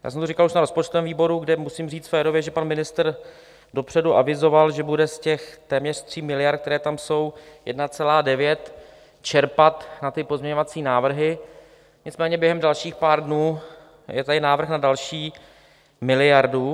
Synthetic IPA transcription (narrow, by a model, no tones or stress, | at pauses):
ja̰ːsɛmt̪orɪkaluʃnaɾo̞spot͡ʃt̪ovɛːmviːbo̞ɾuɡdɛmusiːmriːt͡s̪fɛːɾovjɛʒɛpanmɪnɪst̪r | do̞pr̥ɛduʔavɪzo̞valʒɛbudɛscɛxt̪ɛːmɲɛr̝̥t̪r̝̥iːmɪlɪjaɾt̪k̚t̪ɛɾɛːt̪amso̞wjɛdnat͡sɛlaːdɛvjɛt̪ | t͡ʃɛɾpat̪nat̪ɪpozmɲɛɲo̞vat͡siːnaːvr̩ɦɪ | ɲɪt͡smɛːɲɛbjɛɦɛmdalʃiːxpaːɾdnuː | jɛt̪adɪnaːvr̩xnadalʃiː | mɪlɪjaɾdu